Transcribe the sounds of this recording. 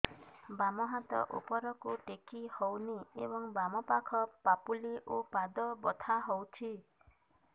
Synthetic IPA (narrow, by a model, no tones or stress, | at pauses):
bamɔɦat̪ɔ̰ʔṵpɔɾɔkuʈekihowniḛbɔŋbamɔpakʰɔpapuliʔopad̪ɔbɔt̪ʰaɦowt͡ʃʰi